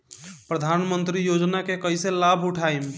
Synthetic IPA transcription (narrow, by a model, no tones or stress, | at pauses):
pɾəd̪ʱanmənt̪ɾijod͡ʒnakekəjselabʱuʈʰajm